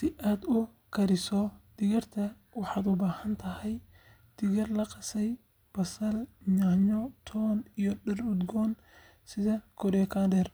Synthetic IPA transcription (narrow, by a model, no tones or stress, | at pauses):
sɪʔaːd̪ʊ | kʰɐɾɪsɔd̪̥ɪɣɐrt̪ʰɐ | wɑħɑːd̪ʊbaːhɐnt̪ʰɐɦɛj | d̪̥ɪɣɐrlɐqɑsɛj | b̥ɐsɐlɲaːɲɔt̪ʰɔːnijɔɖɛrʊd̪ɡɔːn | sɪðɐkʰɔɾɛkʰaːndɛr